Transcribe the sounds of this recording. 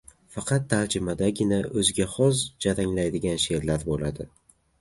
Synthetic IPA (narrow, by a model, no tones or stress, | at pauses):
fɑqʰɑt̪ʰːald͡ʒɪmad̪aɡʲɪnaɵzɪɡʲaχɒzd͡ʒaɾaŋlajd̪ɪɡʲanʃe̞ɾlaɾbolad̪ɪ